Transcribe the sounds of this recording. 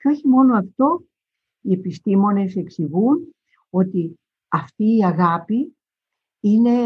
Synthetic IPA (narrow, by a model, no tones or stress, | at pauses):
ceo̞çimo̞no̞ɐft̪o̞ | ie̞pist̪imo̞ne̞se̞ksiɣun | o̞t̪i | ɐft̪iːɐɣɐpi | ine̞